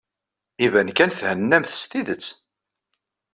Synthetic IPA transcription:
ivænkænθhənːæmθst̪iðət͡sː

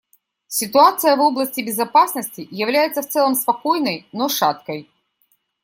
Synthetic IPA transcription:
sʲɪt̪ʊat̪sɨjɐvoblˠəsʲtʲɪbʲɪzɐpasnəsʲtʲɪjɐvlʲæjɪt̪səft̪sɛlˠɐmspɐkojnəjnoʂat̪kɐj

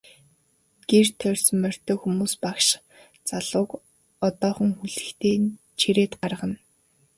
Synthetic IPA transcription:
ɡ̥ert̪ʰœrʲsmːœr̥ʲt̪œːxumuːspakʃ | t͡saɮʊːk | ɔt̪ɔːχɞ̆ŋxuɮɘ̆xt̪ʰeːn | t͡ɕʰiɾeːt̪ɢarʁə̆n

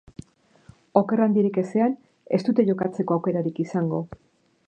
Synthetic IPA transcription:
o̞ke̞rand̪iɾike̞se̞an | e̞̰st̪ut̪e̞ʝo̞kat͡se̞ko̞awke̞ɾaɾikisaŋɡo̞

